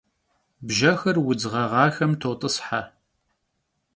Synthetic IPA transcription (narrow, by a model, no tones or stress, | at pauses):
bʒɐxɐrwʊd͡zʁɐʁɑːxɐmtʰowtʼɨsħa